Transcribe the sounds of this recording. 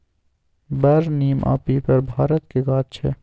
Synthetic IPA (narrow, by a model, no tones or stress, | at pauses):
bɐɾniːmʔa̰ːpipɐɾbʱaːɾət̪keɡaːt̪t͡ʃʰɛː